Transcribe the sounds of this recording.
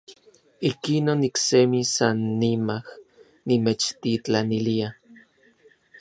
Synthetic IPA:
ihkinonːiksemisanːimah | nimet͡ʃt̪it͡ɬanilia

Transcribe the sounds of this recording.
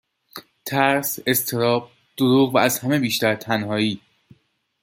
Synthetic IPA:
t̪ʰæɾse̞st̪ʰe̞ɾɒːb̥̚ | d̪̥oɾuːʁvææzhæme̞biːʃt̪æɾt̪ʰænhɒːiː

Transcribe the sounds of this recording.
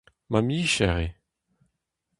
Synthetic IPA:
mamiːʃɛʁe

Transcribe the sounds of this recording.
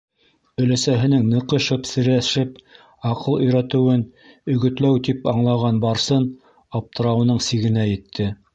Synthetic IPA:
ɵ̆læsæɦɘ̆nɘŋnɤ̆qɤ̆ʃɤpsɘ̆ɾæʃɘp | ɑqʰɤlˠɵ̆jɾæt̪ɘ̆wɘnɵ̆ɡɵ̆t̪læwt̪ipɑɴlˠɑʁɑnbɑɾsɤn | ɑp̚t̪ɤ̆ɾɑwɤ̆nɤɴsiɡɘ̆næjɘ̆t̪ʰːɘ

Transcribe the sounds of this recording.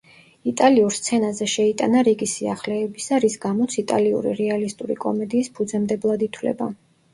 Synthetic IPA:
it̪ʼaliuɾst̪sʰɛnazɛʃɛit̪ʼanaɾiɡisiaχlɛːbisaɾisɡamɔt̪sʰit̪ʼaliṵɾḭɾɛalist̪ʼuɾḭkʼɔ̰mɛd̪iːspʰud̪zɛmd̪ɛblˠad̪it̪ʰwlɛ̰ba

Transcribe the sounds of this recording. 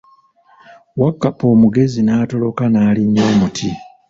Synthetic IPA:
wakːapo̞ːmuɡe̞zinaːto̞lo̞kanaːliɲːoːmutʰi

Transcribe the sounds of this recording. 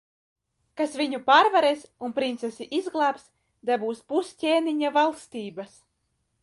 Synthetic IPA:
kasvʲiɲupaːɾvaɾesunpɾint̪sɛsiʔizɡlˠaːps | d̪abuːspuscʲeːniɲavalˠst̪iːbas

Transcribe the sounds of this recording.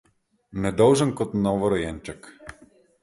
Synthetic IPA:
nɛd̪ɔlˠʒɛnkɔt̪nɔvɔɾɔjɛnt͡ʃɛk

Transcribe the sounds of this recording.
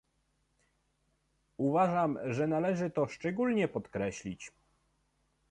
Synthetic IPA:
uvaʐamʐɛnalɛʐɘt̪ɔʂt͡ʂɛɡulɲɛpɔt̪kɾɛɕlʲit͡ɕ

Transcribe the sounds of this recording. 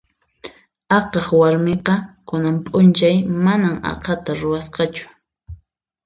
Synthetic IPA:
ɑqɑχwaɾmeqɑkʊnampʼʊnt͡ʃajmanaŋɑ̰qʰɑt̪aɾʊwasqɑt͡ʃʊ̥

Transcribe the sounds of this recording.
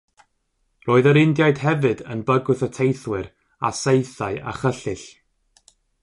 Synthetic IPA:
roːɨðəɾɪndjaɨd̥hɛvɨdənbəɡʊθətʰejθwɪɾ | a̰sejθaɨa̰χəɬɪɬ

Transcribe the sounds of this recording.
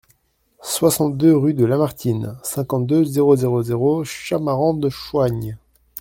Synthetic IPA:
swasɑ̃t̪̚d̪øʁyd̪əlamaʁt̪ʰinsɛ̃kɑ̃t̪̚d̪øzeʁozeʁozeʁoʃamaʁɑ̃d̪əʃwaɲ

